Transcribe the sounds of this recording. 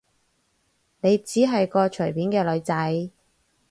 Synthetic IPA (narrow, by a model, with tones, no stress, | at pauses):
ne˨˧jt͡siː˨˥ɦɐ˨jkɔː˧t͡ʃʰɵ˨˩ɥpiː˨˥nkɛː˧lɵ˨˧ɥt͡sɐ˨˥j